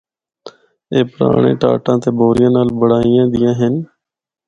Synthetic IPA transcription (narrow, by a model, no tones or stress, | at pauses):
eːpəɾa̰ːɳ̃ḛ̃ːʈa̰ːʈãːt̪eːboːɾɪjãːnaːlbəɽaːɪjãːd̪ɪjãːɦən